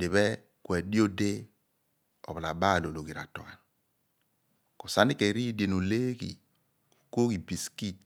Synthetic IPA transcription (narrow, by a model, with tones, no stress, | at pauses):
de˨βɛ˦ | kwɛ˨di˦o˦de˦ | ɔ̰˨bla˨ba˦˨lo˨lo˨ɡi˨ɾa̰˨tɔ˨ka˨ | ko˨sa˨˦ni˦ke˨ɾi˦di˨e˨no˨le˦kḭ˨ | o˨ko˦ki˨bi˨ski˦˨t͡ʃ